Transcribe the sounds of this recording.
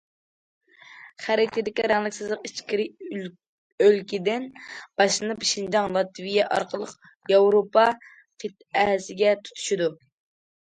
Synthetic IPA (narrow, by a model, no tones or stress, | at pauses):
χæɾɪkʲt̪ʰɪd̪ɪkʲiɾɛŋlˠɪkʲsɨzlˠəqit͡ʃkʲiɾɪ | ølkʲid̪ɪnb̥ɑʃɨnɨpʃind͡ʒɑŋlˠɑt̪ʰvijɛʔɑ̰ɾqəlˠəq | jɑwɾopɑ | qʰit̪̚ɛhsɪɡʲɛt̪ʰu̥t̪ʰu̥ʃud̪u